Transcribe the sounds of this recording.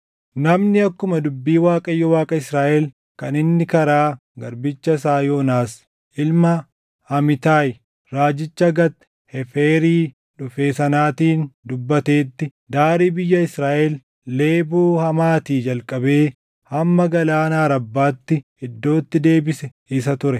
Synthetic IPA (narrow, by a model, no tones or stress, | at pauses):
nɐmnɪɐkːʊmɐd̪ʊbːiːwaːkʼɐjːɔwaːkʼɐɪsɾaːʔɛl | kɐnɪnːɪkɐɾaː | ɡɐɾbɪt͡ʃːɐsaːjo̞ːnaːs | ʔɪlmɐ | hɐmɪt̪aːj | ɾaːd͡ʒɪt͡ʃːɐɡɐt̪ː | hɛfeːɾiː | ᶑʊfe̞ːsɐnaːt̪iːnd̪ʊbːɐt̪e̞ːt̪ːɪ | d̪aːɾiːbɪjːɐɪsɾaːʔɛlː | e̞ːbuːhɐmaːt̪iːd͡ʒɐlkʼɐbe̞ː | hɐmːɐɡɐlaːnaːɾɐbːaːt̪ːɪ | ɛd̪ːo̞ːt̪ːɪd̪e̞ːbɪsɛ | ɪs̬ɐt̪ʊɾɛ